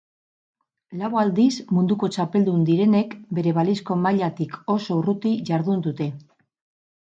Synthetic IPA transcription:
lawald̪izmund̪uko̞t͡ʃape̞ld̪und̪iɾe̞ne̞kbe̞ɾe̞β̞alisko̞maʎat̪iko̞so̞urut̪iʝaɾðund̪ut̪e̞

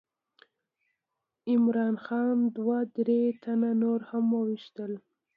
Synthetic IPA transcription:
ɪmɾɑnxɑnd̪wad̪ɾet̪ʰananoɾhamːəwiʃt̪əl

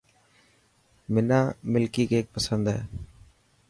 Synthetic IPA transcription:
mɪnãːmɪlkiːkeːk̚pəsənd̪ɦḛː

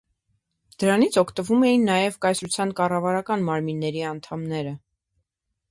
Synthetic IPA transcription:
d̪əɾɑnit͡sʰɔkʰt̪əvumɛjinːɑjɛvkɑjsɾut͡sʰjɑnkɑrɑvɑɾɑkɑnmɑɾminːɛɾiɑn̪t̪ʰɑmnɛɾə

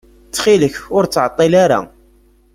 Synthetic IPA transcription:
t͡sːχiləçʊɾt͡sːʕət̪ˤːilaɾa̰

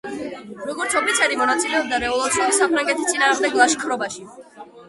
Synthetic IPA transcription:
ɾɔɡɔɾt̪sʰɔpit̪sʰɛɾimɔnat̪sʼilɛɔb̚d̪aɾɛɔlˠɔɾsɔisapʰɾaŋɡɛt̪ʰist̪ʼinaːʁmd̪ɛɡlˠaʃkʰɾɔbaʃi

